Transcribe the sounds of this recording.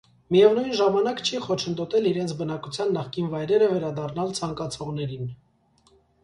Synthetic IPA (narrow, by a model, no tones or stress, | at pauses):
mijɛvnujnʒɑmɑnɑkt͡ʃʰiχɔt͡ʃʰənd̪ɔt̪ɛliɾɛnt͡sʰbənɑkut͡sʰjɑnːɑχkinvɑjɾɛɾəvɛɾɑd̪ɑrnɑlt͡sʰɑŋkɑt͡sʰɔʁnɛɾin